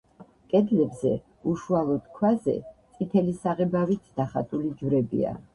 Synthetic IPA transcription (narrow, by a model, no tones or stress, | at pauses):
kʼɛd̪lɛbzɛ̰ | uʃualˠɔd̪̥kʰwazɛ̰tt̪sʼit̪ʰɛlisaʁɛbavit̪ʰd̪̥aχat̪ʼulid͡ʒwɾɛbḭa̰